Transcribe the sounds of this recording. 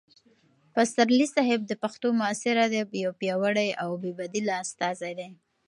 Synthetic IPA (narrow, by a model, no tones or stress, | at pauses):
pasaɾlisaɦɪb̚d̪əpaxt̪omʊasɪɾad̪ejawpjɑwaɽajawbebad̪ilast̪ɑzajd̪e